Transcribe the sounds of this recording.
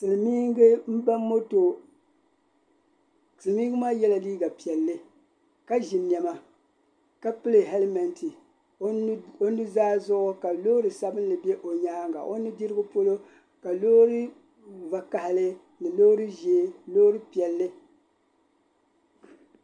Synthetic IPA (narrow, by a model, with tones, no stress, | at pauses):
sɨ˨lɨ˨miː˦ŋ˦ɡɨ˦m̩˦ba˦mː˦o˦to˨ | tɨ˨˦mi˦ɡɨ˦maː˦jɛ˦la˨liː˦ɡa˨pi˨ɛ˨lːɨ˦ | ka˦ʒɪ˨njɛ˨ma˨ | ka˦pɨ˦lɨ˨ɦɛ˦lmɛ˨ntʰi˨˦ | o˦nɨ˦zaː˦zʊ˦ʔʊ˦ka˨lo˦ɾɨ˨sa˦bɨ˦n˦lɨ˨bɛ˦ʔo˨ɲaː˦ŋɡa̰˨ʔo˦nːɨ˦di˦ɾɨ˦ɡʊ˦po˦lo˦ | ka˨loː˦ɾɨ˦ | va˨ka˨hɪ˨lɨ˦ | nɨ˨loː˦ɾɨ˦ʒeː˦loː˦ɾɨ˦pi˨ɛ˨lːɨ˦